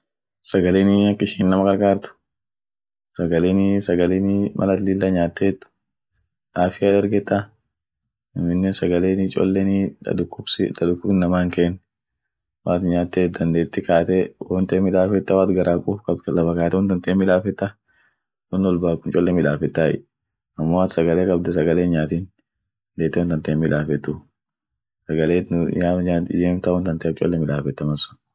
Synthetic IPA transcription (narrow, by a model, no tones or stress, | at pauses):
sɐɡɐleːnɪɐkːɪʃiːnnɐmɐɡɐɾkaːɾt̪ʊ̥ | sɐɡɐleːnsɐɡɐleːnɪmʔɐ̰lɐt̪lɪlːaɲaːt̪ːeːt̪ːʊ̥ | ʔaːfɪjaːd̪ɛɾɡɛt̪ːa | ɐmɪnːɛnsɐɡɐleːnɪt͡ʃʼɔ̰lːɛnɪ̰ʊkːʊbsɪd̪ɐᶑ̪ʊkːʊbɪnɐmaːŋkeːnː | waːt̪ɲaːt̪ːeːd̪ɐnd̪eːt̪ːɪkaːt̪ɛwɔnt̪eːmːɪᶑ̪aːfɛt̪ːɐwaːt̪ɡɐɾʔaːkʼuːfkʼɐblɐfɐkaːt̪ɛwɔnd̪ɐnt̪eːmːɪᶑ̪aːfɛt̪ːɐ | nɔnːɔlbaːkʊnt͡ʃʼɔlːɛmɪᶑaːfɛt̪ːaːʔɪ̰ | ʔɐmːoːaːt̪sɐɡɐleːkʼɐbd̪ʊsɐɡɐleːnɲaːt̪iːn | d̪eːt̪ːɛwɔnt̪ɐnt̪eːmːɪᶑ̪aːfɛt̪ːʊ | sɐɡɐleːaːad͡ʒeːmt̪ɐwɔnd̪ɐnt̪et͡ʃʼɔ̰lːɛmɪᶑ̪aːfɛt̪ːɐmɐnsʊ̥n